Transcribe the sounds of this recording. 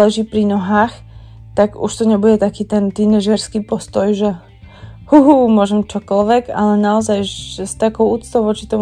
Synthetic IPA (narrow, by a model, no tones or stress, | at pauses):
lɛʒiːpɾinɔɦaːx | t̪aɡṵʃt̪ɔɲɛbuɟɛt̪akiːt̪ɛnt̪inɛʒɛɾskiːpɔst̪ɔjʒɛ | huɦuːmʊɔʒɛmt͡ʃɔkɔlʋɛɡalɛnaɔzajst̪akɔʊʔuːt͡st̪ɔʊʋɔt͡ʃit̪ɔm